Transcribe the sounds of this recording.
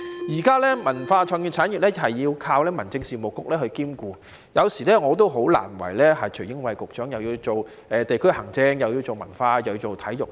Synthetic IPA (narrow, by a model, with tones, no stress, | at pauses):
jiː˨˩kaː˥lɛː˥mɐ˨˩nfaː˧t͡ʃʰɔː˨˩ŋjyː˨˩t͡sʰaː˨˥njy˨lɛː˥hɐ˨jːiː˧wkʰaː˧wlɛː˥mɐ˨˩nt͡sɪ˧ŋsiː˨mo˨kːʊ˥k̚lɛː˥hɵ˧ɥkiː˥mkuː˧ | jɐ˨˧wsiː˨˩lɛː˥ŋɔː˨˧t̪̬o˥wɦo˨˥wla̰ː˨˩nwɐ̰˨˩jlɛː˥hɐ˨jt͡ʃʰɵ˨˩ɥjɪ˥ŋwɐ˨˧jkʊ˨k̚t͡ʃœː˨˥ŋjɐ˨wjiː˧wt͡so˨w | ɛː˨t̪e˨jkʰɵ˥ɥhɐ˨˩ŋt͡sɛ˧ŋjɐ˨wjiː˧wt͡so˨wmɐ˨˩nfaː˧jwjiː˧t͡so˨wt̪ʰɐ˨˥jjʊ˨˩k̚